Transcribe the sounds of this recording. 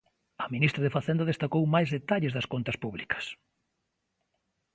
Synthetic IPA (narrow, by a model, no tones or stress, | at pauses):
ɐminist̪ɾɐðefaθend̪ɐðest̪akowmajzðet̪aʎɪzðɐskont̪ɐspuβlikɐ̥s